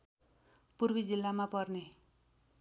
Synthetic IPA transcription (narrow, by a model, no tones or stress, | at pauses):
purbid͡zilːamapʌrne